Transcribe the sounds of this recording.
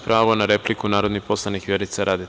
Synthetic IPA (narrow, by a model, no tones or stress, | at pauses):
pɾaːʋonaɾeplikunaːɾo̞d̪nixpo̞slˠanixʋjeːɾit̪saɾaːd̪e